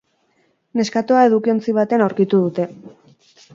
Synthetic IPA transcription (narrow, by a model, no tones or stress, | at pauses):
ne̞skat̪oae̞ð̞ukio̞nt͡siβ̞at̪eanawɾkit̪uðut̪e̞